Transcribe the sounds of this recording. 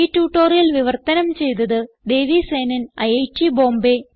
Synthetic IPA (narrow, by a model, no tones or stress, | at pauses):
itːuːʈːoːrjilʋiʋɐrt̪ɐnɐmt͡ɕe̞jt̪̬ɐðɨ | d̪e̞ːʋise̞ːnɐnɐjɐjtːibo̞ːmbe